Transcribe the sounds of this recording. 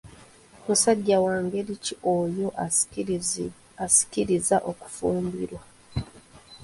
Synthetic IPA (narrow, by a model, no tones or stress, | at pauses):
musaɟːawaːŋɡeliciʔojo̞ʔ | asi̥kiɾizaʔo̞ku̥fuːmbiɾwa